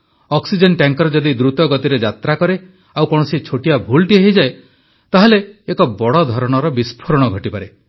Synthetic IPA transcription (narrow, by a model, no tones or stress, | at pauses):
ɔksid͡ʒenʈaŋkɔɾɔd͡ʒɔd̪id̪ɾut̪ɔɡɔt̪iɾed͡ʒat̪ɾakɔɾe | awkɔɽ̃ɔsit͡ʃʰoʈijabʱulʈieɦid͡ʒae | t̪aɦaleːkɔbɔɽɔd̪ʱɔɾɔɽ̃ɔɾɔbispʰɔɾɔɽ̃ɔɡʱɔʈipaɾe